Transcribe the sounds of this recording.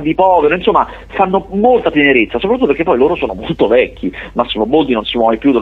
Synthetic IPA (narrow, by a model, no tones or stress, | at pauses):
d̪ipɔːveɾoinsomːa | fanːomolt̪apjeneɾet̪sːasopɾt̪uːopeɾkepːɔjloːɾosoːnomolt̪ovɛkʲːimasːivɔmːolt̪̬inonsipwɔmajpjud̪e